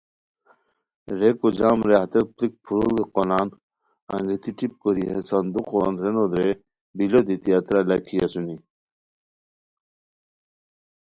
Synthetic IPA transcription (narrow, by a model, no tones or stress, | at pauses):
ɾekod͡ʑaːmɾeɦɐt̪ɐplik̚pʰuɾolɡeqonaːn | ɐ̰ŋɡet̪iʈip̚koɾiɦesɐnd̪uqoa̰nd̪ɾenod̪ɾe | bilod̪it̪iat̪ɾalakʰijɐsuni